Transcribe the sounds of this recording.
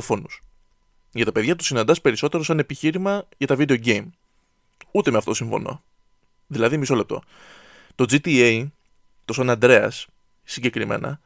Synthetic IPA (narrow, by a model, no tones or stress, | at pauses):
fo̞nus | ʝɐt̪ɐpe̞ðʝɐt̪u̥sinɐnd̪ɐspe̞ɾiso̞t̪e̞ɾo̞sɐne̞piçiɾimɐʝɐt̪ɐvid̪e̞o̞ɟem | ut̪emeɐft̪oto̞siɱfo̞̰no̞̰ | ðilɐðimiso̞le̞p̚t̪o̞̰ | t̪o̞d͡zit̪iei | t̪o̞sɐnɐnd̪ɾe̞ɐ̰sː | iɲɟe̞kɾime̞̰nɐ̰